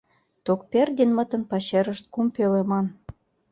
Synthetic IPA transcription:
t̪ok̚perd̪ʲenmə̆t̪ə̆npɑɕeɾə̆ʃt̪̚kumpelemɑn

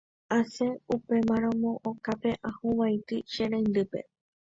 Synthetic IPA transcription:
aseupe̞mãɾ̃õmõʔokape̞ʔãhũʋajt̪ɨʃeɾãnd̪ɨpḛ

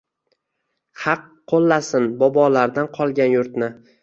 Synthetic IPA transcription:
hɑqʰːolˠːasɪnbɒbɒlaɾd̪anqʰɒlˠɡʲanjʊɾt̪̚nɪ

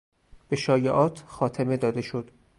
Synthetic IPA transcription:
b̥eʃɒːjeʔɒːt̪ʰxɒːt̪ʰeme̞d̪ɒːd̪e̞ʃod̪̥

